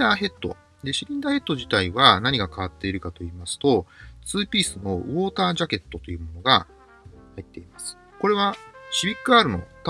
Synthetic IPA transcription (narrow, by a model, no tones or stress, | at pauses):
aːɦe̞t̪ːo̞̰ | d̪e̞ɕiɾʲĩnd̪aːhe̞t̪ːo̞ʑit̪aiβanaɲ̟iɡakaβ̞at̪ːe̞iɾɯ̟kat̪o̞iːmasɨ̥t̪o̞t͡sɨːpʲiːsɨno̞ɯ̟βo̞ːt̪aːʑake̞t̪ːo̞t̪o̞jɯ̟ːmo̞no̞ɡa | hait̪ːe̞imasɨ̥ | ko̞ɾe̞βaɕibʲikːɯ̟aːɾɯ̟no̰t̪